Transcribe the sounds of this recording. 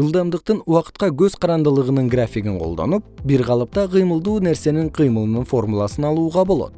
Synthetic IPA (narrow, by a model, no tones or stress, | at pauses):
ʒəlˠd̪ɑmd̪əq̚t̪ənwɑqə̥t̪̚qɑkʲʰɵzqʰɑɾɑnd̪əlˠəʁənəɴɡrafʲiɡʲɪɴqʰold̪ɑ̰nəp̚biɾʁɑlˠəp̚t̪ɑqʰijməlˠd̪uneɾse̞nɪɴqʰijməlˠənəɴfo̞ɾmulˠɑsənɑlˠuʁɑbo̞lˠɑ̰d̪̥ə